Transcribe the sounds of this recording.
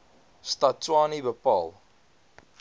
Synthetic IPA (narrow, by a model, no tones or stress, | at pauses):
statwɑːnibəpɑ̰lˠ